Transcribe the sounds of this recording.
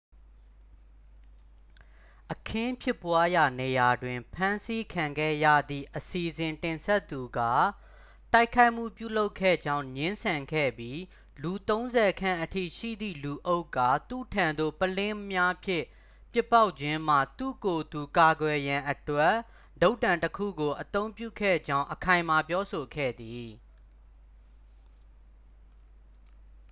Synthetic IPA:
ʔəkʰɪ̃˦pʰjɪ˦˨pːwa˦ja˨ne˨ja˨dwɪ̃˨mpʰã˦nsi˦kʰã˨ŋɡɛ̰˦˨jä̰˦˨d̪ðḭ˦˨ʔəsi˨ʔzɪ̃˨ntɪ̃˨nsɛ˦t̪ːu˨ɡa˦˨ | ta˦ɪkʰːa˦ɪʔm̥ṵ˦˨pjṵ˦˨lo˦ʊkʰːɛ̰˦˨d͡ʑã˦ʊ̃ɲɪ̃˦nsʰã˨ŋɡɛ̰˦˨bji˦ | lu˨t̪õ˦ʊ̃nzɛ˨kʰã̰˦˨ʔətʰḭ˦˨ʃḭ˦˨d̪ðḭ˦˨lu˨ʔo˦ʊkːa˨t̪ṵ˦˨tʰã˨nd̪o̰˦˨pəlɪ̃˦mja˦pʰjɪ̃˦˨ | pjɪ˦pːa˦ʊʔt͡ɕʰɪ̃˦m̥a̰˦˨t̪ṵ˦˨ko˨d̪u˨ka˨ɡwɛ˨jã˨ʔətwɛ˦ | lo˦ʊtːã˨ntəkʰṵ˦˨ɡo˨ʔət̪õ˦ʊ̃mpjṵ˦˨kʰɛ̰˦˨d͡ʑã˦ʊ̃ʔəkʰã˨ɪ̃ma˨pjɔ˦so˨kʰɛ̰˦˨d̪i˨

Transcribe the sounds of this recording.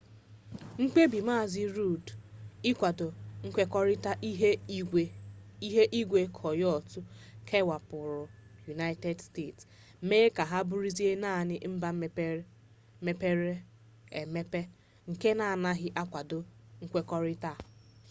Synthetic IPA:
ŋ̩˦k͡pe˦bi˨ma˦˨zɪ˦ɾu˦dɪ˦kʷa˨dʊ˨ŋ̩˦kʷe˦kɔ˦ɾɪ˦ta˦ʔi˦ɦe˦i˦ɦe˦ʔi˦ɡʷe˦kʰɔ˨jɔ˦˨tʊ˦kʰe˦wa˨pʊ˨ɾʊ˨ju˨na˦jte˦dsteː˦˨ts | meː˦ka˨ɦa˦bu˦ɾi˦zi˦e˦na˦˨nɪ˦m̩˦ba˦ | me˦pe˦ɾe˦ | e˨me˦pe˦ | ŋ̩˨ke˦na˨a˨na˦ɦɪ˦ʔa˦kʷa˨dʊ˨ŋ̩˦kʷe˦kɔ˦ɾɪ˦ta˦˨

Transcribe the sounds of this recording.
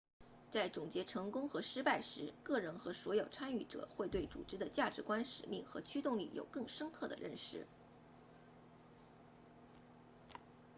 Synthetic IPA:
t͡sa˥˩ɪʈ͡ʂʊ˨˩ŋt͡ɕjɛ˧˥ʈ͡ʂʰɤ˧˥ŋkʊ˥ŋxɤ˧˥ʂɻ̩˥pa˥˩ɪʂɻ̩˧˥kɤ˥˩ɻə˧˥nxɤ˧˥swɔ˧˥jo˨˩ʊt͡sʰa˥ny˥˩ʈ͡ʂɤ̰˨˩xwe˥˧ɪt̪we˥˩ɪt͡sṵ˨˩ʈ͡ʂɻ̩˧˥d̪ə˨t͡ɕja˥˩ʈ͡ʂɻ̩˧˥kwa˥nʂɻ̩˨˩mi˥˩ŋxɤ̰˧˥t͡ɕʰy˥t̪ʊ˥˧ŋlḭ˥˩jo̰˨˩ʊkɤ˥˩ŋʂə˥ŋkʰɤ˥˩d̪ə̰˩ɻə˥˩nʂɻ̩˧˩˦

